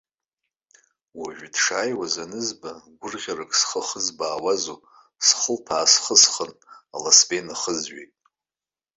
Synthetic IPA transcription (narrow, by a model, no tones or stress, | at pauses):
waʒᶣdʂaːjwazanɨzbaɡʷʊrʁʲarɨkʼsχəχəzbaːwazo | sχəlpʰaːsχəsχənalasbenaχəzɥḛtʼ